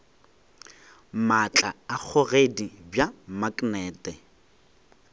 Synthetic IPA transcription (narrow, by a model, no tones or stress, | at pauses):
mat͡ɬʼaːk͡xʰʊɣedibjamakʼnɛːtʼɛ